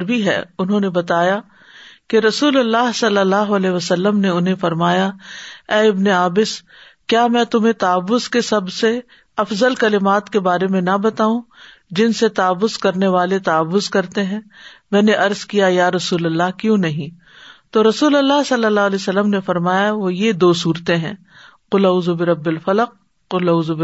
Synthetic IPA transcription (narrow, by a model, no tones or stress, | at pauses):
ɾbʱiɦɛ̰ːʊnɦõnebɐt̪aːja | keɾɐsuːlɐlːaːɦsɐlːəlːaːɦoɐlɛːɦʋɐsɐlːəmneʊnɦẽfɐɾmaːjaɛːɪbneaːbɪs | kjaːmɛ̃ːt̪ʊm̤ẽt̪aːʋːʊzkesɐbse | ɐfzəlkɐlɪmaːt̪kebaːɾemẽnɐbɐt̪aːũ | d͡ʒɪnset̪aːʋːʊzkɐɾneʋaːlet̪aːʋːʊzkɐɾt̪eɦɛ̃ːmɛ̃ːneʔɐɾzkijajaːɾɐsuːlɐlːaɦkjõnɐɦĩ | t̪oːɾɐsuːlɐlːaɦsɐlːəlːaːlɛsɐlːəmnefɐɾmaːjaʋojed̪oːsuːɾt̪eɦɛ̰̃ː | qʊlaʊzubɪɾɐbːɪlfɐləq̚ː | ʊlɐʊzbɪ